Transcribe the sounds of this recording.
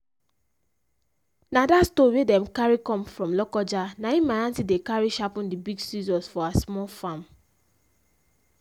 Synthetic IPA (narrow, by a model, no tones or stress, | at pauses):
nadastowedɛ̃mkaɹikɔ̃mfɹɔ̃mlɔkɔd͡ʒanaĩmaãntidekaɹiʃapũndibiɡsizɔ̃nsfɔaasmɔlfãm